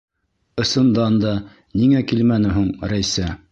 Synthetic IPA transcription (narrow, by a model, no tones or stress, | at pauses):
ɤ̆sɤ̆nd̪ɑnd̪ɑ | niŋækilmænɘ̆ɦuɴɾæjsæ